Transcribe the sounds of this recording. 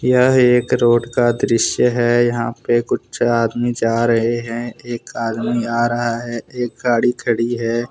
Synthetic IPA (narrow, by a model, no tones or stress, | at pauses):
jəɦeːkɾoːɖkad̪ɾɪʃjəɦɛjɐɦã̰pekʊt͡ʃʰaːd̪mid͡ʒaːɾɐɦeɦɛ̃eːkaːd̪miaːɾɐɦaɦɛːeːk̚ɡaːɽikʰɐɽiɦɛː